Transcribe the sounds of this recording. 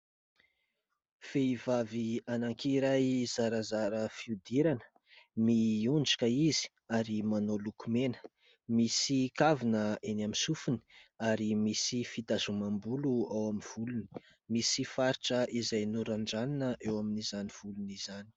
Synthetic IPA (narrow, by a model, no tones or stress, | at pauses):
feivavianaŋkiɾajz̥aɾəzaɾəfiud̪iɾanə̥ | miunɖ͡ʐḁkəizi̥ | aɾimanolukumenə̥ | misikavinəenamisufuni̥aɾimisifit̪azumambuluawaminv̥uluni̥ | misifaɾiʈ͡ʂəʔizajnuɾaɳɖ͡ʐaninəʔewaminizaniv̥uluniz̥ani̥